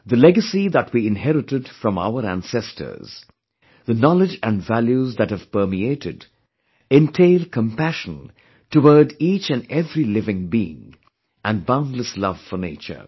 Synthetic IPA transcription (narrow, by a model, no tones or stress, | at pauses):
ðɨlɛɡəsiðət̚ʰwiɪ̃nɦɛɾɨtɨdfɹʌ̃ma̰ʊəɾæ̰̃nsɛstʰə̰˞z̥ | ðɨnɑlɪd͡ʒɨ̃nvæljuzðɨt̚hɨv̥pɜ˞mieɪɾɪd | ɪ̃ntʰeɪlˠkʰə̃mpæʃə̃n | təwə˞dit͡ʃɨ̃nɛvɹilɪvɪ̃ŋbiɪ̰̃ŋ | ʔæ̃nbãʊ̃ndˡləslʌv̥fə˞neɪt͡ʃə̰˞